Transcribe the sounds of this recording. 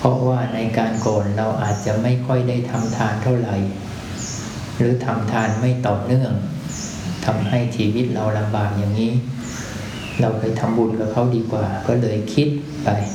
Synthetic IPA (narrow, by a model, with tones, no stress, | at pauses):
pʰɔ˦˥waː˥˩na˧jkaː˧nkɔː˨˩nɾa˧wʔaː˨˩t̪̚t͡ɕa˨˩ʔma˥˩jkʰɔ˥˩jdaː˥˩jt̪ʰa˧mt̪ʰaː˧nt̪ʰa˥˩wɾa˨˩j | ɾɯː˦˥t̪ʰa˧mt̪ʰaː˧nma˥˩jt̪ɔː˨˩nɯ˥˩əŋ | t̪ʰa˧mha˥˩jt͡ɕʰiː˧wi˦˥t̪̚ɾa˧wla˧mbaː˨˩k̚jaː˨˩ŋːiː˦˥ | ɾa˧wkʰa˧˩jt̪ʰa˧mbu˧nka˨˩p̚kʰa˦˥wdiː˧kwaː˨˩kɔː˥˩lɤː˧jkʰi˦˥t̪̚ | pa˧j